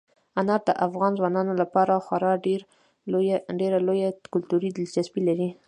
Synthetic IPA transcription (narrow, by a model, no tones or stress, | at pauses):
anɑɾd̪əʔafɣɑnzwɑnɑnolapɑɾaxwaɾɑɖeɾ | ɖeɾalojakʊlt̪uɾid̪ɪlsaspilaɾi